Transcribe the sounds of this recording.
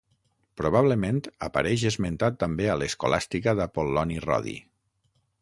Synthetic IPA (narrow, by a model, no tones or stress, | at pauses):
pɾoβ̞aβ̞ləmẽnt̪apa̰ɾɛʒezment̪at̪ːambealesko̰la̰st̪ikəðəpolːɔnirɔ̰ðḭ